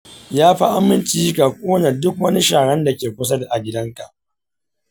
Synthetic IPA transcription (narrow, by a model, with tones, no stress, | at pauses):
jaː˦ɸa˦ʔa˦mɪ˦nt͡ʃiː˦kaː˨kʷʼoː˦na˨dʊ˦k̚wɐ˦ni˦ʃaː˨ɽɛ˦nda˨kʲeː˨kʷʊ˦s̬ɐ˦da˨ʔa˨ɡʲɪ˦dɐ˦ŋka˨ʔ